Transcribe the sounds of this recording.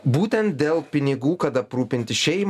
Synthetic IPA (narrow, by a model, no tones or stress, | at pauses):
buːt̪ʲɛnt̪̚d̪ʲeːlˠpʲɪnʲɪɡuːkɐt̪ɐpɾuːpʲɪnʲt̪ʲɪʃʲɛɪm